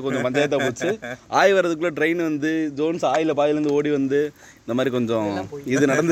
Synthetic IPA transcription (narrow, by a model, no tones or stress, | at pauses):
kɔɲd͡ʒɔ̃pɐɲd͡ʒaːjɐt̪̬ːaːpuːt͡ʃːɯaːjʋɐɾɐðɯkːɯɭɐʈɾɐɪnʋɐnd̪ɯd͡ʒoːnsaːjɪlɐpaːðɪlɾɯnd̪ɯoːɽiʋɐnd̪ɯ | ɪnnd̪ɐmaːd̪ɾikɔɲd͡ʒɔ̃ɪðɯnɐɽɐnd̪